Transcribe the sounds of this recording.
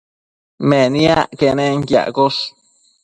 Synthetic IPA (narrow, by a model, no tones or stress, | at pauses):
mẽnĩaʔkenẽŋkja̰ʔkos